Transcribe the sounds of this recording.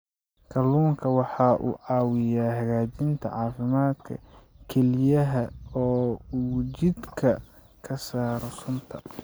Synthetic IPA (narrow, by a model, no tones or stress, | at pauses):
kʰɐluːŋkʰɐwɑħɑːʔṵːʕɑːwɪjaːhɐɣaːt͡ʃɪnt̪ʰɐ̰ʕɑːfɪmaːd̪kʰɐ̰ | kʰɛlɪjɐɦɐɔː | t͡ʃɪd̪kʰɐ | kʰɐsaːɾɔsʊnt̪ʰɐ̰